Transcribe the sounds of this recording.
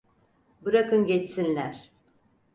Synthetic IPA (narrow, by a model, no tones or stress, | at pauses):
bɯɾakɯmɟetsinlʲæɾ̥